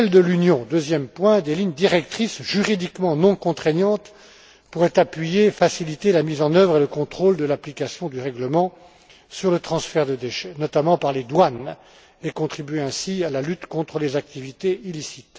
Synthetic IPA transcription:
ɛld̪əlynjɔ̃d̪øzjɛmpwɛ̃d̪eliɲd̪iʁɛk̚t̪χisʒyʁid̪ikmɑ̃nɔ̃kɔ̃t̪χɛɲɑ̃t̪ | puʁɛt̪apɥijefasilit̪elamizɑ̃nœvʁeləkɔ̃t̪χold̪əlaplikasjɔ̃d̪yʁɛɡləmɑ̃ | syʁlət̪χɑ̃sfɛʁd̪əd̪eʃɛnɔt̪amɑ̃paʁled̪wan | ekɔ̃t̪χibyɥeɛ̃sialalyt̪kɔ̃t̪χəlezak̚t̪ivit̪eilisit̪

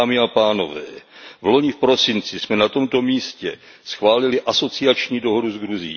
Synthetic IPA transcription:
mɪapaːno̞vɛ̰ːvlo̞ɲɪfpɾo̞sɪnt͡sɪsmɛnat̪o̞mt̪o̞miːscɛ | sxvaːlɪlɪʔaso̞t͡sɪat͡ʃɲiːdo̞ɦo̞duzɡɾuzɪjḭ

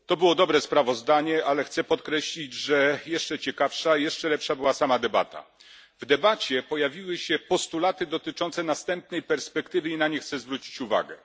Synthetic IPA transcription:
t̪ɔbɘwɔd̪ɔbɾɛspɾavɔzd̪aɲɛʔalɛxt̪sɛpɔt̪kɾɛɕlʲid͡ʑʐɛjɛʂt͡ʂɛt͡ɕɛkafʂajɛʂt͡ʂɛlɛpʂabɘwasamad̪ɛba̰t̪a̰ | vd̪ɛbat͡ɕɛpɔjavʲiwɘɕɛpɔst̪ulat̪ɘd̪ɔt̪ɘt͡ʂɔnt̪sɛnast̪ɛmp̚nɛjpɛɾspɛkt̪ɘvɘinaɲɛxt̪sɛzvɾut͡ɕi̥t͡ɕuva̰ɡɛ̰

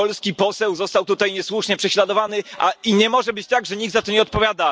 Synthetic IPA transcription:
ɔlskʲipɔsɛwzɔst̪awt̪ut̪ajɲɛswuʂɲɛpʂɛɕlad̪ɔvanɘʔaiɲɛmɔʐɛbɘt͡ɕt̪aɡʐɛɲikɡd̪zat̪ɔɲɛɔt̪pɔvʲjad̪a

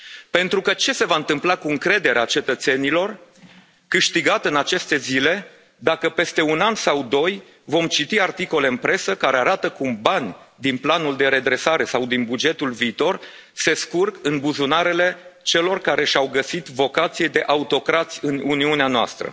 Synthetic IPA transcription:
pe̞nt̪ɾukət͡ʃe̞se̞vaɨnt̪ɨmplakuɨŋkɾe̞d̪e̞ɾeat͡ʃe̞t̪ət̪se̞nilo̞r | kɨʃt̪iɡat̪ɨnat͡ʃe̞st̪e̞zile̞ | d̪akəpe̞st̪e̞unansawd̪o̞j | vo̞mt͡ʃit̪iart̪iko̞le̞ɨnpɾe̞səkaɾe̞aɾat̪əkumbanʲ | d̪inplanuld̪e̞ɾe̞d̪ɾe̞saɾe̞sawd̪inbud͡ʒe̞t̪ulviːt̪o̞r | se̞skurkɨnbuzunaɾe̞le̞t͡ʃe̞lo̞rkaɾe̞ʃʲawɡəsit̪vo̞kat̪sied̪e̞ʔaut̪o̞kɾat̪sʲɨnuniuneanoa̰st̪ɾə̰

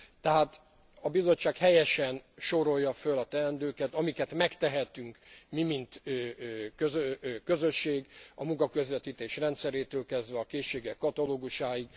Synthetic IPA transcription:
t̪ɛɦaːt̪ | ɒbizo̞t͡ʃːaːkhɛjɛʃɛnʃo̞ɾo̞jːɒfølɒt̪ɛɛnd̪øːkɛt̪ɒmikɛt̪mɛkt̪ɛɦɛt̪yŋkmimint̪ː | køzøkø̞zøʃːeːɡɒmuŋkɒkø̞zʋɛt̪iːt̪eːʃrɛnt̪sɛɾeːt̪øːlkɛzd̪ʋɛɒkeːʃːeːɡɛkːɒt̪ɒloːɡuʃaːjiɡ

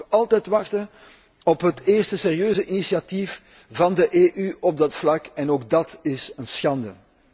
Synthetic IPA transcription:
ɑlˠtɛjtʋɑxtə | ɔpɦəteːrstəseːrijøːzəʔinisiɑtif | vɑndəʔeːʔyɔb̚dɑtflɑkɛnoːɡ̚dɑtɪsənsxɑndə

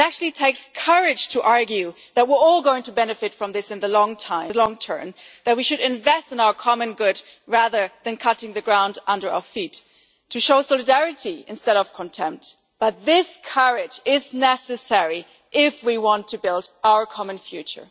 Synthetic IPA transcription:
æk̚t͡ʃʉl̩ˠitʰeɪkskʰɜ˞ɪd̥d͡ʒ̥tʰɨʔɑɹɡjʉ | ðɨt̚wɪɹɔlˠɡoʊɪ̃ŋtʰɨbɛnɨfɨtfɹʌ̃mðɪsɨ̃nðəlɔ̃ŋtʰãɪ̃lɔ̃ŋtʰɜ̰̃˞mðɨt̚wiʃɨɾɨ̃ɱvɛstɨ̃naʊə˞kʰɑmɨ̃nɡʊd | ɹæðə˞ðɨ̃nkʰʌɾɪ̃ŋðɨɡɹãʊ̃ndʔʌ̃ndə˞aʊə˞fitʰː | ɨʃoʊsɔlˠɨdɛɹɨɾiɨ̰̃nstɛɾʌv̥kʰə̃ntʰɛ̃mp̚t̚ | b̥ʌt̪̚ðɪskʰɜɹɪd͡ʒɪznɛsɨsɛɹi | ʔɪfwiwɑ̃ntʰɨbɪlˠdaʊə˞kʰɑmɨ̃nfjʉt͡ʃə̰˞

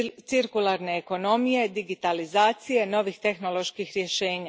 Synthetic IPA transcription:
t̪siɾkulˠaɾne̞ːko̞no̞mije̞d̪iɡit̪alizaːt̪sije̞no̞ʋixt̪e̞xno̞lˠo̞ʃkixɾje̞ʃe̞ːɲa

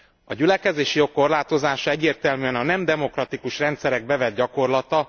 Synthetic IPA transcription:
ɒ̰ɟylɛkɛzeːʃijo̞kːo̞rlaːt̪o̞zaːʃɒɛɟːeːrt̪ɛlmyɛnɒnɛmd̪ɛmo̞krɒt̪ikuʃrɛnt̪sɛɾɛɡ̚bɛvɛd̪̚ɟɒko̞rlɒt̪ɒ

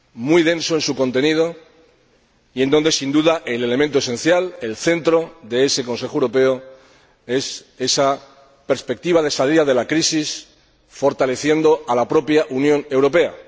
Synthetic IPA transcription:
mujðe̞nso̞e̞nsukõ̞nt̪e̞niðo̞ | ie̞nd̪o̞nd̪e̞sind̪uðaʔele̞le̞ment̪oe̞sẽ̞nθjale̞lθe̞nt̪ɾo̞ðe̞e̞se̞ko̞nse̞xoewɾo̞pe̞o | e̞s | e̞sa | pe̞ɾspe̞k̚t̪iβað̞e̞saliaðe̞lakɾisis | fo̞ɾt̪ale̞θje̞nd̪o̞alapɾo̞pjaʔunjõ̞ne̞wɾo̞pe̞a̰

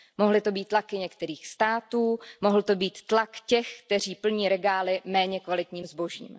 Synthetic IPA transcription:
moɦlɪt̪o̞biːt̪ːlakɪɲɛkt̪ɛɾiːxst̪aːt̪uːmo̞ɦl̩t̪o̞biːt̪ːlakcɛxkt̪ɛr̝iːpl̩ɲiːɾɛɡaːlɪmɛːɲɛkvalɪt̪ɲiːmzbo̞ʒḭːm

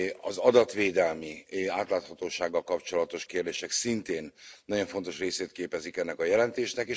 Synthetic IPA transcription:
ɒzɒd̪ɒt̪ʋeːd̪ɛlmiaːt̪laːt̪hɒt̪oːʃaːɡːɒlkɒpt͡ʃo̞lɒt̪o̞ʃkeːrd̪eːʃɛksint̪eːnːɒɟo̞ɱfo̞nt̪o̞ʃreːseːt̪keːpɛzikɛnːɛkɒjɛlɛnt̪eːʃnɛkeː

